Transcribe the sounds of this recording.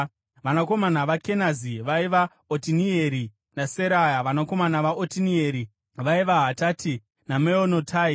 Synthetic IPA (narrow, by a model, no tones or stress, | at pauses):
ʋanako̞manaʋake̞naziʋaiʋa | otinieɾi | naseɾajaʋanako̞manaʋaʔotinieɾi | ʋaiʋaɦataːtʰi | nameonotʰai